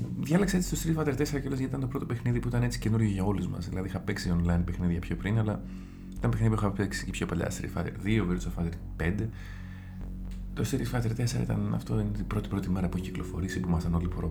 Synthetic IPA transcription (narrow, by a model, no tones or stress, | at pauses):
ðʝɐlekseet͡si̥stost̪ɾit̪fɐt̪eɾt̪e̞seɾɐcelozɐit̪ɐnt̪o̞pɾo̞t̪opexniðipuit̪ɐne̞t͡si̥ce̞nuɾʝoʝɐo̞lizmɐ̰sðilɐðiixɐpe̞ksionlɐjinpexniðʝɐpço̞pɾinɐlɐ | i̥t̪ɐmpexniðipuixɐpeksicipço̞pɐʎɐ̰st̪ɾḭt̪fɐ̰t̪eɾðioveɾsofɐt̪eɾ | pe̞nd̪e̞ | t̪o̞st̪ɾifɐt̪eɾt̪e̞seɾɐ̰it̪ɐ̰nɐ̰ft̪oint̪ibɾo̞t̪ipɾo̞t̪ime̞ɾɐpueçciklo̞fo̞̰ɾisipumɐst̪ɐno̞lipoɾo